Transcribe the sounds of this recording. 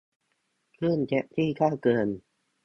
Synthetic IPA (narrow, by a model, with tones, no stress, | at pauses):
kʰlɯ˥˩nt͡ɕɛ˧ʔt̪ʰiː˥˩kʰaː˥˩wkɤː˧n